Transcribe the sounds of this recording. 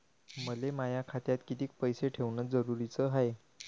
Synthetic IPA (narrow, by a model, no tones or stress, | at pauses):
məlemajakʰat̪jat̪kit̪iːk̚pəjseʈʰeʋɳəd͡zəɾuɾit͡səɦaj